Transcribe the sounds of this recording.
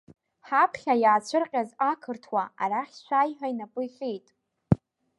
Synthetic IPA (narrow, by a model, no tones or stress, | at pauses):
ħapʰχʲajaːt͡ɕʷʰɨrqʲʼazakʰɨrtʰwaa̰raχʲʃʷʰaːjħᶣainapʼɨjχʲejtʼ